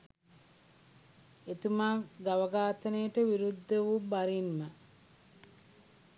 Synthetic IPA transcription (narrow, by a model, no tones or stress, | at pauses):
et̪umaːɡaʋɐɡaːt̪ənəjəʈəʋiɾud̪ːəʋubaɾinmə